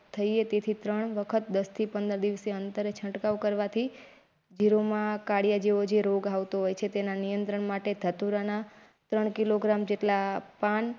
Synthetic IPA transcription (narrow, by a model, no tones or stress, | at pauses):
t̪ʰəiet̪et̪ʰit̪ɾəɳ̃ʋəkʰət̪̚d̪əst̪ʰipənd̪əɾd̪iʋəseənt̪əɾet͡ʃʰə̃ʈkaʋkəɾʋat̪ʰi | d͡ʒiɾomãkaɽijad͡ʒeʋod͡ʒeɾoɡaʋt̪oɦojt͡ʃʰet̪enanijənt̪ɾəɳmaʈed̪ʱət̪uɾana | t̪ɾəɳkiloɡɾamd͡ʒeʈlapan